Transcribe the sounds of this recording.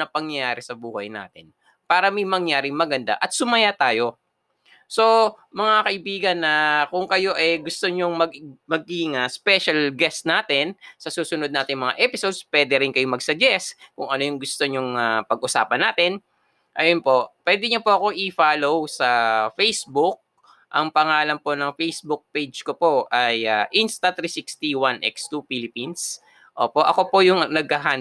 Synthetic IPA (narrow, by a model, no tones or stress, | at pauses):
ɐpɐŋjɐjaːɾɛsɐbuːhɐjna̰ːt̪ɪn | paːɾɐmɐjmɐŋjaːɾɪŋmɐɡɐnd̪a̰ʔɐt̪̚sʊmɐjat̪aːjo̞ | so̞ | mɐŋakɐʔɪbiːɡɐnːɐkʊŋkɐjo̞ʔɛɡʊst̪oɲoŋmɐɡmɐɡɪŋɐspɛʃɐlɡɛst̪naːt̪ɪnsɐsuːsʊnod̪naːt̪ɪjmɐŋa̰ʔɛpɪsod̪spwɛːd̪ɛɾɪnkɐjomɐɡsɐd͡ʒɛskʊŋɐno̞jʊŋɡʊst̪o̞ɲʊŋapɐɡʔʊsa̰ːpɐnːaːt̪ɪn | ʔɐjonpo̞ʔpwɛːd̪ɛɲopoʔɐko̞ŋʔɪfaːlowsɐfejsbʊk̚ | ʔɐŋpɐŋaːlɐnpo̞nɐŋfejsbʊk̚pejd͡ʒkopo̞ʔɐjaʔinst̪ɐt̪ɾisikst̪iwanʔɛ̰kst̪ufilɪpins | ʔoːpo̞ʔɐko̞po̞jʊŋnɐɡ̚ɐɦaːn